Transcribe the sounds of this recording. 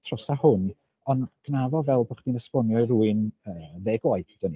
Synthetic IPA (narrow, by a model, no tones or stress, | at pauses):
tʰrɔsahʊn | ɔnɡ̥navɔvɛlˠbɔχdinəspɔnjɔiɾuːɨnəːðeːɡɔjtʰd̥ɔni